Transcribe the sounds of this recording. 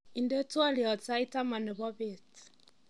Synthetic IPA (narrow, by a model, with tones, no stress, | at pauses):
i˨nde˦twa˦li˨ɔ˨t͡sa˦i˦ta˦ma˨ne˨βɔ˦βe˨t͡si̥˨